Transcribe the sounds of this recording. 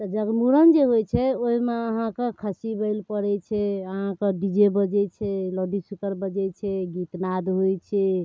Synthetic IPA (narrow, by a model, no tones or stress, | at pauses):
t̪ɔd͡ʒəɡmuɾənd͡ʒeɦojt͡ʃʰɛoɦimeəɦãkekʰəsibəjlpəɾɛt͡ʃʰɛəɦãkəɖid͡ʒebəd͡ʒɛt͡ʃʰɛlɔɖisukəɾbəd͡ʒɛt͡ʃʰɛɡit̪nad̪ɦojt͡ʃʰɛ